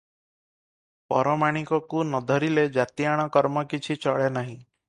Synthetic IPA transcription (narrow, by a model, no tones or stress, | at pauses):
pɔɾɔmaɽ̃ikɔkunɔd̪ʱɔɾiled͡ʒat̪iaɽ̃ɔkɔɾmɔkit͡ʃʰit͡ʃɔɭenaɦĩ